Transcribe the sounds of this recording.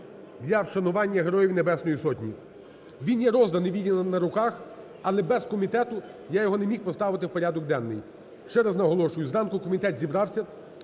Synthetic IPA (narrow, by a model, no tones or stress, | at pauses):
d̪lʲɐwʃɐnʊʋɑnʲːɐɦeɾɔjiwnebɛsnɔjisɔtʲnʲi | ʋʲinjɛɾɔzd̪ɐnɪʋʲidʲinɐnɐɾʊkɑx | ɐlˠɛbɛzkɔmʲit̪ɛt̪ʊjajɔɦɔnemʲixpɔst̪ɑʋɪt̪ɪwpɔɾʲad̪ɔk̚d̪ɛnːɪ̰j | ʃt͡ʃɛɾɐznɐɦɔlˠɔʃʊjʊzɾɑnkʊkɔmʲit̪ɛt̪zʲibɾɑwsʲɐ